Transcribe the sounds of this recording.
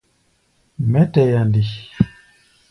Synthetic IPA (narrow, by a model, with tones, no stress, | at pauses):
mɛ˦tɛ˨ja˨ndi˨